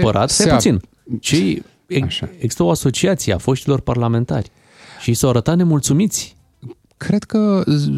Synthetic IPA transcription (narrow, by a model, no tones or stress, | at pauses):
pəɾa̰t̪epuin | t͡ʃej | eɡzi̥st̪əoaso̞t͡ʃiat̪siea̰fo̞ʃt̪ilo̞rparlame̞nt̪a̰rʲ | ʃisawaɾət̪at̪ne̞mult̪sumit̪sʲ | kʰɾed̪̥kə